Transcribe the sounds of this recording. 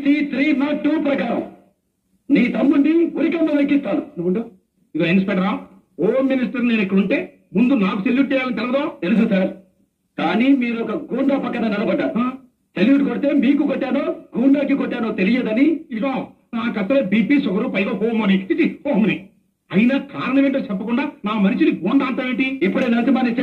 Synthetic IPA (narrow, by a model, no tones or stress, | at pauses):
siːsɾiːnaːʈːuːpɾɐkaːɾɐm | niːt̪ɐmːuɳɖiuɾikɐmːɐʋɐjkist̪aːnunɳɖu | iɡoːinspɛkʈɐɾaː | hoːmːinis̬ʈɐɾneːnekːɐɽuɳʈe̞ː | mund̪unaːkuseljuːʈ̚t͡ʃɛːjaːlɐnit̪ɛlɐʋɐd̪oːt̪elis̬usaːɾ | kaːnimiːɾɔkɐɡuːɳɖaːpɐkːɐnɐːnɛlɐbɐɖːaːua | seljuːʈkoɽit̪e̞ːmiːkukoʈːaːnoːɡuːɳɖaːk̬ikoʈːaːnoːt̪e̞lijed̪ɐniiʈːoː | naːkɐst̪ːɐleːbiːpiːsɔɡɐɾupɐjɡoɦoːmɐniit͡ʃːihoːmni | ɐjinaːkaːɾɐnɐʋeːɳʈoːt͡ʃɛpːɐkuɳɖaːnaːmɐniʃiniɡuːɳɖaːɐnt̪aːʋeːɳʈiipːɐɽeːnɐnsibaːnist͡ʃe